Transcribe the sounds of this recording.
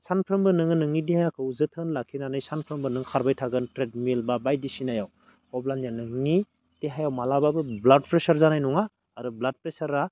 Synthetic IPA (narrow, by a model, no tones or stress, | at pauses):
sanpʰɾɯmbɯnɯŋɯnɯŋidihajakʰɯuzɯtʰɯnlakʰinanɯjsanpʰɾɯmbɯnɯŋkʰaɾbajtʰaɡɯntɾed̚milbabajdisinajaw | ɔblanjanɯŋi | teɦajawmalababɯblad̚pɾesaɾzanajnɔŋaː | ɾɯblad̚pɾesaɾa